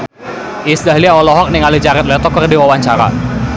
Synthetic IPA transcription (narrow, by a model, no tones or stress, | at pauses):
isdaɦliaɔlɔɦɔk̚niŋalid͡ʒaɾɛt̪̚lɛt̪ɔkərdiwawaɲt͡ʃaɾa̰